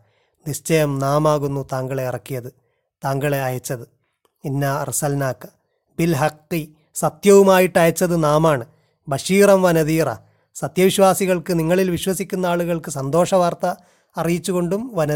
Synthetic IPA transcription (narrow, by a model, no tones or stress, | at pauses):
nist͡ɕɐjɐmnaːmaːɣunːut̪aːŋɡɐɭe̞irɐkːijɐðɨ | t̪aːŋɡɐɭeɐjɐt͡ɕːɐðɨ | inːarisɐlnaːkːɐ̥ | b̥ilɦɐqːi | sɐt̪jɐʋumaːjiʈːɐjɐt͡ɕːɐðɨnaːmaːɳɨ | bɐɕiːrɐmʋɐnɐðiːrɐ̰ | sɐt̪jɐʋiɕʋaːsiɣɐɭkɨniŋːɐɭilʋiɕʋɐsikʲːunːɐaːɭuɣɐɭkɨsɐnd̪o̞ːʂɐʋaːrt̪ɐː | rijit͡ɕːuɣo̞ɳɖumʋɐnɐ